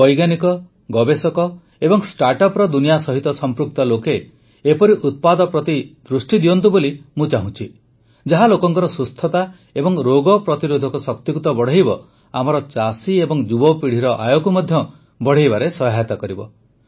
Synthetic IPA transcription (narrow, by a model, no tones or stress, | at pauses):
bɔjɡanikɔ | ɡɔbesɔkɔ | ebɔŋsʈaɾʈɔpɾɔd̪unijasɔɦit̪ɔsɔmpɾuk̚t̪ɔlokeː | pɔɾiʔut̪̚pad̪ɔpɾɔt̪id̪ɾusʈid̪iɔnt̪ubolimũt͡ʃaɦũt͡ʃʰi | d͡ʒaɦalokɔŋkɔɾɔsust̪ʰɔt̪a | ebɔŋɾoɡɔpɾɔt̪iɾod̪ʱɔkusɔk̚t̪ikut̪ɔbɔɽ̤ejbɔ | amɔɾɔt͡ʃasiebɔŋd͡ʒubɔpiɽ̤iɾɔʔa̰jokumɔd̪ʱjɔ | bɔɽ̤ejbaɾesɔɦat̪ɔkɔɾibɔ